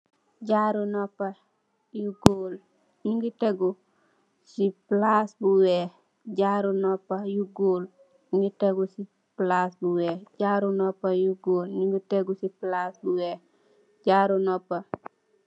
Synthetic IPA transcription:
ɟaɾunɔpːɐ | juɡoːl | ɲiŋɡiteɡu | siplasbuwɛ | ɟaɾunɔpːajuɡol | ɲiŋɡiteɡusi | plasbuweːɟaɾunopːajuɡoːlɲiŋɡuteɡusiplasbuweː | ɟaːɾunopːa

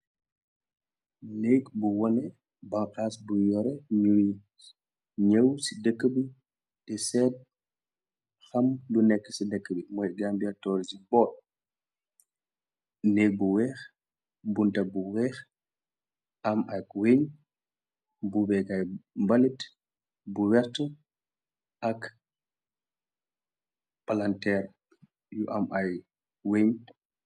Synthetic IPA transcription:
neːkbuwɔnɛ | baŋkaːsbujɔɾɛɲui | ɲəwsidəkːəbi | dɛsɛːd̚ | xɐmlunɛkːsidəkːəbimɔjɡambiatɔːɾd͡ʒibɔːt̚ | neːk̚buwɛːx | buntabuwɛx | amakweɲ | bubɛɡajmbalit | buwɛɾtu | ʔak | palantɛɾ | jɔʔamʔaj | weɲ

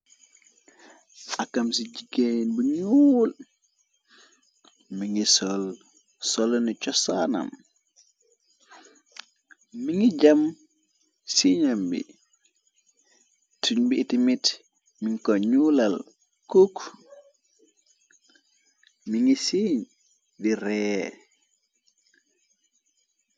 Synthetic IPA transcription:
ʔakːamsid͡ʒiɡeinbuɲul | miŋisɔl | sɔlnit͡ʃɔsana̰m | miŋid͡ʒam | siɲambḭ | tʰuɲbiːtimit | miŋkɔɲulal | kuk | miŋisiɲ | diɾɛ

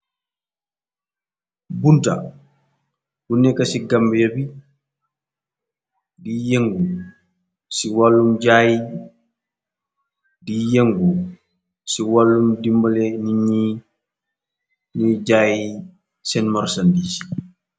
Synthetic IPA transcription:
bunta̰ | bunːɛkɐsiɡambjabi | dijeŋɡu | siwalːumɟaːji | dijeŋɡu | siwalːumdimbɐlɛniɲi | niɟaːji | sɛnmɔɾsandisi̥

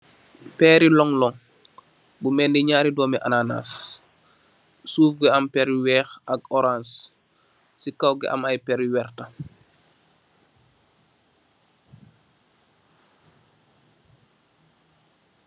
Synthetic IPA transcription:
pɛːɾilɔŋlɔŋ | bumɛndiɲaːɾidɔːmɛʔanana̰s | suːfɡɛɐmpɛɾwɛːxaɡɔɾãns | sikawɡɛ̰ʔa̰majpɛɾwɛrta

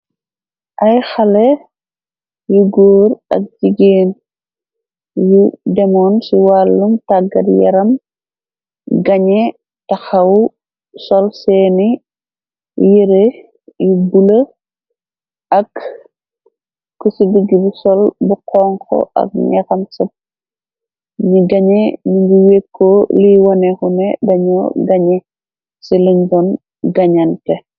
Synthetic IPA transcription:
ʔɐjxɐle | juɡoːɾɐ̰k̚d͡ʒiɡeːn | judɛmɔːnsiwalːumtaɡɐ̰ɾjɛ̰ɾɐm | ɡɐɲɛ | tɐxɐw | sɔlsɛːnḭ | jiɾe | jubulɐ | ʔɐk | usidiɡibsɔlbuqɔːŋkɔ̰ʔɐ̰k̚nɛxɐmsɐp̚ | ɲiɡɐɲɛɲiɲɡiwekʰːoliwɔnɛxunɛ̰dɐɲɔɡaɲɛ | siliɲdɔn | ɡɐɲantɛ

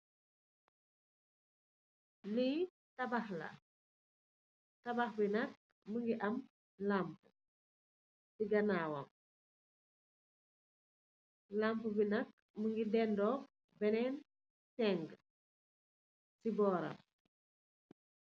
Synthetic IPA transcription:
li | tɐbaxlɐ̰ | tɐbaxbinɐk̚ | məŋɡiʔɐm | lampə | siɡɐnaːwɐ̰m | lampəbinɐk̚ | məŋɡidɛndɔː | bɛnɛn | sɛŋɡ | sibɔːɾɐ̰m

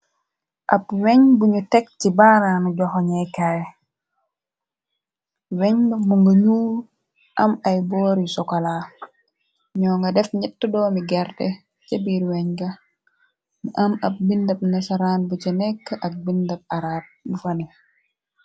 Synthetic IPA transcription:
ʔɐpwɛɲbuɲutɛk̚cibaːɾanuɟɔxoɲɛjkaj | wɛɲbɐmuŋɡɐɲuːɾ | ʔɐmɐjbɔːɾisɔkala | ɲɔːŋɡɐdɛfɲɛtːədɔːmiɡɛɾdɛ̰ | t͡ʃɐbiɾwɛɲɡɐ | mʔɐmɐp̚bindɐp̚nɐsaɾaːnbucɐnɛkːəʔɐk̚bindɐp̚aɾaːt̚mufɐni

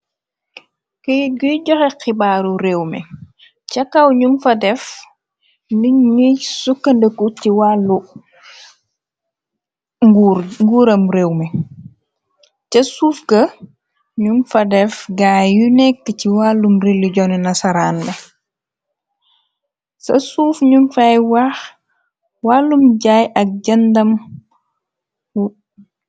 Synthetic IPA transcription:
kiɡujɟɔxɛxibaɾuɾewmɛ̰ | cɐkɐwɲumfɐdɛf | nuɲisukːɐndəkuciwalːu | ɡuŋɡuɾɐmɾewmɛ | cɐsuːfkɐ | ɲunfɐdɛfɡaːjunɛkːəciwalːumɾiluɟɔninɐsɐɾaːnmɛ | sɐ̰suːfɲunfajwax | walːumɟajɐk̚ɟɐndɐm | u

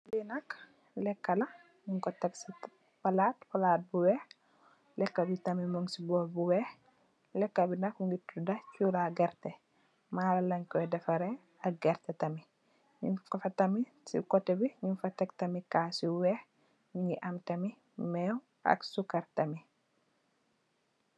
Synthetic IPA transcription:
linɐk | lɛkːɐlɐ | ɲuŋkɔtːɐksi | pɐlaːtpɐlat̚buwɛx | lɛkːɐbitɐmimɔŋsibɔlbuwɛx | lɛkːɐbinɐkŋɡitudɐcuɾaɡɛɾtɛ | maːlɐlɐɲkɔjdɛfɐɾɛ | ɐk̚ɡɛɾtɛtɐmi | ɲifɐfɐtɐmi | sḭkɔtːɛbiɲinfɐtːɐk̚tɐmikaːsiwɛx | ɲiŋɡiʔɐmtɐmi | mɛw | ɐ̰ksukɐɾtɐmi

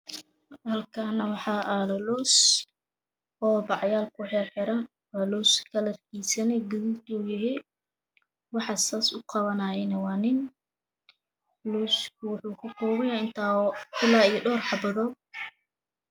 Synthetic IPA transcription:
hɐlkʰanɐwɑħɑːʔalɐlɔːs | ɔːbɑʕjaːlkʰʊħɛħɪɾɐn | waːlɔːskʰɐlɐrkʰisɐnɛɡʊðult̪ʰɔːjɪɦɛ | wɑħɑsaːsʊqɑβɐnaːjɛnɐwɑːnɪn | luːskʰʊwʊħuːkʰʊkɔːɣɪjaɪnt̪ʰaːkʰʊlaːijɔɖɔːrħɑbɐðɔːɡ̚

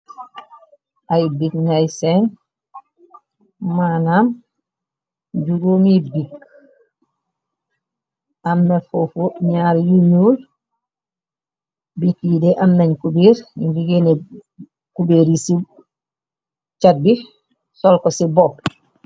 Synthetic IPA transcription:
ʔajbikŋajsen | manam | ɟuɡuːmibik | amːefofoɲaːɾjuɲuːl | bikideʔamnaɲkubiɾibiɡene | kubeːɾisi | t͡ʃat̚bi | solkosiboːp

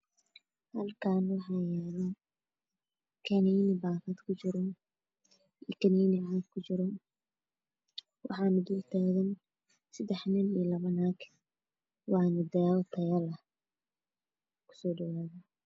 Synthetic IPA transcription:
hɐlkʰaːnwɑħɑːjɛːlɐ | kʰɐnɛjnɪbaːfɐd̪kʰʊt͡ʃɪɾɔn | iːkʰɐniːnɪʕaːkkʰʊt͡ʃɪɾɔn | wɑ̰ħɑːnɪd̪ult̪ʰaːɣɐn | sɐd̪ɛħnɪnilɐβɐnaːkʰ | wɑːnɪd̪ɐjaːlt̪ʰɐjɐlɐ | kʰʊ̥sɔːɖɐwaːðɐ

